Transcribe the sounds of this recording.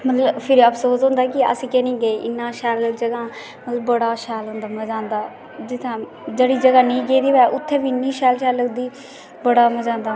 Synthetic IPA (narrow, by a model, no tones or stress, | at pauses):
mət̪ləbpʰɪɾəpʰsoːsɦʊ̃nd̪aːkɪə̰siːkɛːnĩːɡəeːʔɪnːãːʃɛːləd͡ʒəɡãː | mət̪ləbːəɽaːʃɛːlɦʊ̃nd̪aːməd͡ʒãːnd̪aː | d͡ʒɪt̪ʰːãː | d͡ʒəɽiːd͡ʒəɡaːnẽːɡeːd̪iːʋɛːʔʊt̪ʰːẽːʋinːĩːʃɛːlʃɛːləd̪iː | bəɽaːməd͡ʒãːnd̪aː